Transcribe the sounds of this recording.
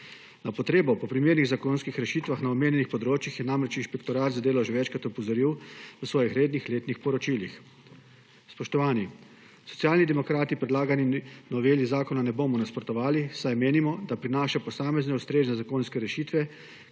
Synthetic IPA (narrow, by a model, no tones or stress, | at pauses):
napɔt̪ɾeːbɔpɔpɾimeːɾniɣzakoːnskixɾɛʃiːt̪ʋaxnaɔmeːnjɛnixpɔd̪ɾoːt͡ʃjixjɛnamɾɛt͡ʃinʃpɛkt̪ɔɾaːt̪zad̪eːlɔʒɛʋɛt͡ʃkɾat̪ɔpɔzɔɾiwʋəsʋɔːjixɾeːd̪nixleːt̪nixpɔɾɔt͡ʃiːlix | spɔʃt̪ɔʋaːni | sɔ̥t̪sjaːlnid̪ɛmɔkɾaːt̪ipɾɛd̪laːɡaninɔʋeːlizaːkɔnanɛboːmɔnaspɾɔt̪ɔʋaːlisajmeːnimɔd̪apɾinaːʃapɔsaːmɛznɛust̪ɾeːznɛzakoːnskɛɾɛʃiːt̪ʋɛ